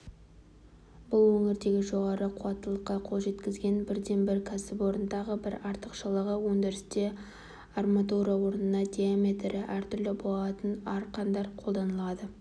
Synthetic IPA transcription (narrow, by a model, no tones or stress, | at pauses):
bʊlˠwɵŋɪɾd̪e̞ɡʲɪʒo̞ʁɑɾəqʰuɑt̪ːəlˠəqːɑqʰo̞lˠʒe̞t̪kʲɪzɡʲe̞nbɪɾd̪e̞nbɪɾkʲʰasɪpwo̞ɾənd̪ɑʁəbɪɾɑɾt̪əqʃəlˠəʁəwɵŋd̪ʲeɾɪst̪e̞ | ɑrmat̪uɾawo̞ɾnənɑd̪ʲijamʲe̞t̪ɾɪʔæɾt̪ʰʏɾlɪbolˠɑt̪ənɑɾqɑnd̪ɑɾqʰo̞lˠd̪ɑnəlˠɑd̪ə